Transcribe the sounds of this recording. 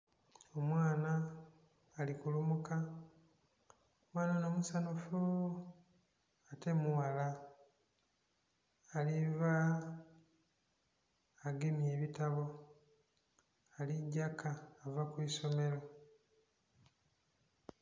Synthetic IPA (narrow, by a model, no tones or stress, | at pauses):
o̞mwaːnaː | likulumuka | omwaːnono̞ːmusanufu | ate̞muwala | liva | ɡemje̞ːβitaβo̞ | aliɟːakʰaːvakwiso̞me̞ɾo̞